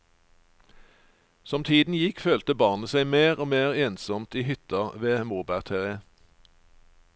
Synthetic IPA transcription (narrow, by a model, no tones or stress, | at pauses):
sɔmt̪ʰiːd̪n̩jɪkføːlt̪əbɑːʁnəsæɪmeːʁoːmeːʁeːnsɔmt̪iːhʏt̪ɑʋeːmuːbæʁt̪ʰeːʁeː